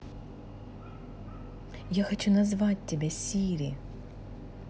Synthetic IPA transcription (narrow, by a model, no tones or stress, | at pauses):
jaxɔt͡ɕunɐzʋɑt̚ʲtːʲɛbʲɛsʲiɾʲi